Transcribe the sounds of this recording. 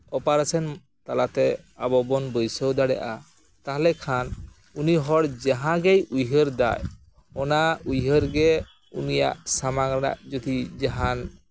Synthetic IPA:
ɔpaɾat͡ʃʰɛn | t̪alat̪ɛ | abɔbɔnbɔjsɔwd̪aɽɛ̰ʔa | t̪aɦlɛkʰan | uniɦɔɽd͡ʒaɦãɡɛjujɦəɾd̪a̰j | ɔnaujɦəɾɡɛ | ṵnija̰ʔsamaɡɾna̰ʔd͡ʒɔd̪id͡ʒaɦan

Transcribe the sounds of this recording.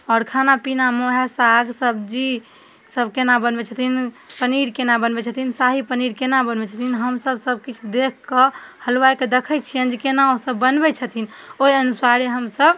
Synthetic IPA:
ɔːɾkʰanapinamoɦesaɡsəb̚d͡ʒi | səbkenabənbɛt͡ʃʰət̪ʰin | pəniɾkenabənbɛt͡ʃʰət̪ʰinsaɦipəniɾkenabənbɛt͡ʃʰət̪ʰinɦəmsəbsəb̚kit͡ʃʰd̪ekʰkːəhəlwajked̪ekʰət͡ʃʰiənd͡ʒikenaosəbːənbɛt͡ʃʰət̪ʰin | oɦiənusaɾeɦəmsəb

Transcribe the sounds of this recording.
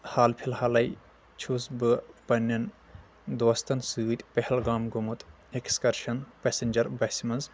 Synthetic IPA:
haːlpʰilhaːlɐj | t͡ʃʰusbɨpɐnːɐn | d̪oːst̪ɐnsuːt̪ʲpehɛlɡaːmɡomut̪ | ekskɐɾʃɐnpesenʲd͡ʒɐɾbɐsimɐnz

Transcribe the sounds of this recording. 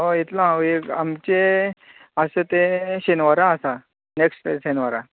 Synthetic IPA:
oit̪lãekamt͡ɕe | asət̪eɕenʋaɾãːsa | neksʈɕenʋaɾã

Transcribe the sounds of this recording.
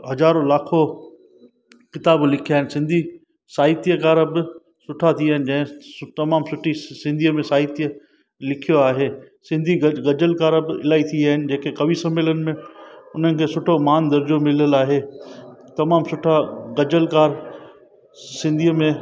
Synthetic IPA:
ɦɐzaːɾolaːkʰo | kɪt̪aːblɪkʰiaːɦɪ̃nɪsɪ̃nd̪ʱi | saːɪt̪ijəkaːɾəbɪ | sʊʈʰat̪ʰiaːɦɪnɪ̆d͡ʑɐ̃ɦɪ̃t̪ɐmaːmsʊʈʰisɪ̃nd̪ʱiːəmẽsaːɦɪt̪ijə | lɪkʰijoaːɦeː | sɪ̃nd̪ʱiɡɐd͡ʑəlkaːɾbɪɪ̰laːit̪ʰiaːɦɪnɪ̆d͡ʑeːkekɐʋisɐmeːlənɪ̆mẽʊn̤ənɪ̆kʰeːsʊʈʰomaːnd̪ɐɾd͡ʑomɪləlaːɦeːt̪ɐmaːmsʊʈʰaɡɐd͡ʑəlkaːɾ | sɪ̃nd̪ʱiːəmẽ

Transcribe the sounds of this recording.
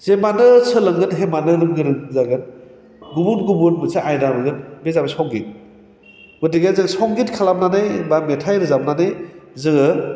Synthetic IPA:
zemanɯsʰɯlɯŋɡɯnɦemanɯɾɯŋɡɯɾɯŋzaɡɯn | ɡubunɡubunmɯsaʔajdaɾɯɡɯnbezabasɔŋɡit̚ | ɡudiɡazɯŋsɔŋɡitkʰalamnanajbametʰajɾɯzamnanɯjzɯŋɯ

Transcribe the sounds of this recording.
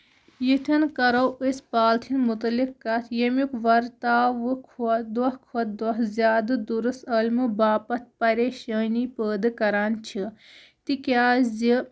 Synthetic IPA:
jit̪ʲʰɐnkɐɾɐwəspaːlt̪ʰinmut̪ɐlikːɐt̪ʰjɐmukʋɐɾt̪aːʋɨkʰud̪ʋɐhkʰot̪̚d̪ɐɦzjaːd̪ɨd̪uɾɨst̪ɐlʲmɨbaːpɐt̪̚ʰpɐɾeːʃəːnipəːd̪ɨkɐɾaːnt͡ʃʰi | t̪ikʲjaːzi

